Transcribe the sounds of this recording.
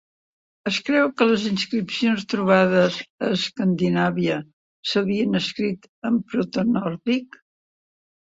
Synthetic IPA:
əskɾɛwkələzinskɾipsionst̪ɾuβ̞að̞əzəːskənd̪inaβiə | səβiənəskɾit̪ | əmpɾot̪ənɔɾðik

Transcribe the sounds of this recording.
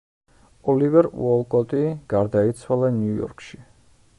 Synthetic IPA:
ɔlivɛɾṵɔlˠkʼɔt̪ʼiɡ̥aɾd̪ait̪sʰwalˠanjujɔ̰ɾkʰʼʃi

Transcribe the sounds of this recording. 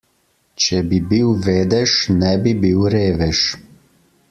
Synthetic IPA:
t͡ʃɛbibiwʋeːd̪ɛʃnɛbibiːwɾeːʋɛʃ

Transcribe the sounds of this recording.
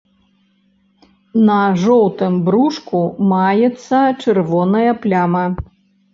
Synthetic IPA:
nɐʐɔwt̪ɨmbɾuʂkumajɛt̪sːɐt͡ʂɨrvɔnɐjɐplʲamɐ

